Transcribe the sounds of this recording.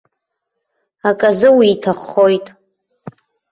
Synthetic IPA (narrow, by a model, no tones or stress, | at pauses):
akʼazɨwiːtʰaχːo̞jtʼ